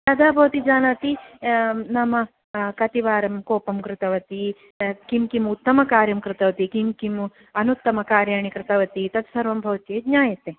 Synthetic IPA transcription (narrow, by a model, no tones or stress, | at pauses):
t̪ɐd̪ʱaːbʱɐʋɐt̪id͡ʒaːnɐt̪i | nɐmɐ | kɐt̪iʋaːɾɐmkoːpɐmkɾɪt̪ɐʋɐt̪i | kimkimut̪ːɐmɐkaːɾjɐmkɾɪt̪ɐʋɐt̪ikimkim | ɐnut̪ːɐmɐkaːɾjaːɳikɾɪt̪ɐʋɐt̪it̪ɐt̪sɐɾʋɐmbʱɐʋɐt̪jeːd̪ɲaːjɐt̪eː